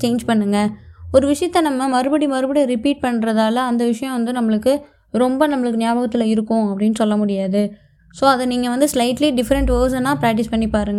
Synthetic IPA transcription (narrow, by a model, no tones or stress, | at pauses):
t͡ʃeːnd͡ʒpɐɳːɯŋɡɐɔɾɯʋɪʂɐjɐt̪ːɐnɐmːɐmɐɾɯbɐɽimɐɾɯbɐɽiɾɪpiːʈ̚pɐɳːɾɐðaːlɐːnd̪ɐʋɪʂɐjɔ̃ʋɐnd̪ɯnɐmːɐɭɯkːɯ | ɾɔmbɐnɐmːɐɭɯkːɯnɪjaːbɐːɣɐt̪ːɪlɐɪɾɯkːʊ̃ɐpːɐɽɪnːɯsɔlːɐmʊɽɪjaːðɯ | soːɐðɐniːŋɡɐʋɐnd̪ɯslɐɪʈliɖɪfɐɾɐɳʈʋəːs̬ɐnãːpɾaːk̚ʈɪspɐɳːipːaːɾɯŋɡɐ